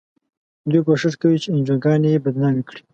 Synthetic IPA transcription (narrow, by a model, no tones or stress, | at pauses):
d̪wik̬oʃɪʂkawit͡ʃeɪnd͡ʒoɡɑːnjebad̪nɑmikɽi̥